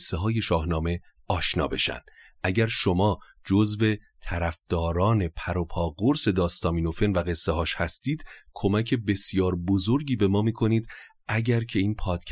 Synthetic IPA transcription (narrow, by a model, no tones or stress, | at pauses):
sːeɦɒːje̞ʃɒːhnɒːme̞ | ɒːʃnɒ̰ːbe̞̰ʃæ̰nd̪ | ʔæɟæɾʃo̞mɒː | d͡ʒozve̞t̪ʰæɾæfd̪̥ɒːɾɒːne̞pʰæɾo̞pʰɒːɡoɾse̞d̪ɒːst̪ɒːmiːno̞fe̞nvæɣe̞sːehɒːʃhæst̪iːd̪̥kʰo̞mæcʰe̞be̞sjɒːɾbozo̞ɾɟiːbe̞mɒːmiːkʰo̞niːd̪ | ʔæɟæɾcʰe̞iːnpʰɒːt̪cʰ